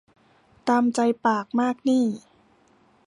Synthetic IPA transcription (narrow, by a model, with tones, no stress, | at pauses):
t̪aː˧mt͡ɕa˧jpaː˨˩k̚maː˥˩k̚niː˥˩